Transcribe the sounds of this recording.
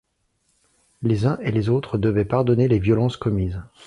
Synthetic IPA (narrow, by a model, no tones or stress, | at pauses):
lezɛ̃ʔelezot̪χəd̪əvɛpaʁd̪ɔnelevjɔlɑ̃skɔmiːz